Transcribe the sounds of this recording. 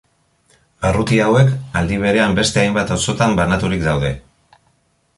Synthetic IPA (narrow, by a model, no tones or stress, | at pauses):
arut̪iawe̞kald̪iβ̞e̞ɾe̞ambe̞st̪e̞ajmbat̪oso̞t̪ambanat̪uɾikd̪awðe̞